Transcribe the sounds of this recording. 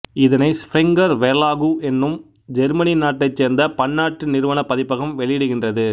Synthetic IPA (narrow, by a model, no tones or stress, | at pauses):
ɪðɐnɐɪspɾɪŋɡɐɾʋɛlaːɣuʔɛnːɯm | d͡ʒɛɾmɐninaːʈːɐɪt͡ʃːeːɾnd̪ɐpɐɳːaːʈːɯnɪɾɯʋɐnɐpːɐðɪpːɐɣɐmʋɛɭɪjɪɽɯɣɪndrɐðɯ